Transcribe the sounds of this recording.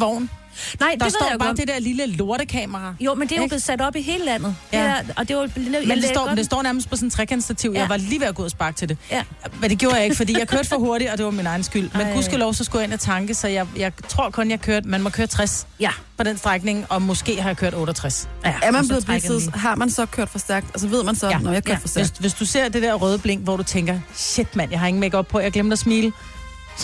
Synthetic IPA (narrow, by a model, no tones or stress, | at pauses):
ʋɒʊ̰n | nɑɪ̰d̥ɑsɒ̰̥ɑ̈ːd̥ed̥ɛɐ̰liləlo̝ɐɾ̥əkʰɛ̰ːmɐʁɑjomend̥e̝jo̥e̝sæd̥ɒ̽b̥iɦe̝ːləlæn̰ð̩̥ˠæɒd̥e̝ʋɑlmend̥sdɒ̰nd̥esd̥ɒ̰ːnæɐməsd̥pʰɒsɔ̽n̩t͡sʰʁɛkʰensd̥æt͡sʰiʊjɑ̈ɪʋɑ̈liːʋeɐɡ̥oð̰ˠɐsb̥ɑ̈ːɡ̥̚t͡sʰe̝d̥e̝md̥eɡjoːɐjɑeɡ̥fɒ̽d̥ḭjɑ̈ɪkʰøɐd̥fɒɦo̝ɐɾiɒ̽d̥e̝ʋɑminɑ̈ɪn̩sɡ̥yl̰menɡ̥usulɒʊsɒsɡ̥ɔ̰enæt͡sʰɑ̈ŋɡ̥əsɒ̽jɑ̈ɪjɑ̈ɪt͡sʰʁo̝ɐ̰kʰɔ̽njɑ̈hkʰøɐd̥mænmɒ̽kʰøːɐt͡sʰʁaspʰɒ̽d̥ensd̥ʁaɡ̥ne̝ŋɒ̽mɔ̽sɡ̥e̝̰ːhɑ̈jɑkʰøɐ̰ɾ̥ɔːɾɐt͡sʰʁasæɐmænbleð̩ˠblesð̩ɦɑ̈mænsɒ̽kʰøɐ̰d̥fɒ̽sd̥æɐ̰ɡ̥̚d̥ælsʋe̝ð̰ˠmænsɒjænjakʰø̰fsdessʋe̝sd̥use̝ɐ̰d̥e̝d̥eɐ̰ʁœːðˠəb̥leŋ̰ɡ̥ʋɒdut͡sʰeŋɡ̥ɐɕe̝d̥mæn̰jɑ̈ɪɦɑ̈e̝ŋn̩meɡ̥ɒ̽b̥pʰɒ̽jɑɡ̥lem̰d̥ɐsmiːlə